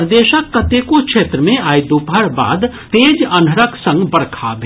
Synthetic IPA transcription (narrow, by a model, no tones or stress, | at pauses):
ɾd̪eːʃəkːət̪eːkokʃʰeːt̪ɾəmẽaːjd̪upɦəɾba̰ːd̪ | t̪eːd͡ʒɐnəɾəksə̃ŋɡbɐɽkʰabʱ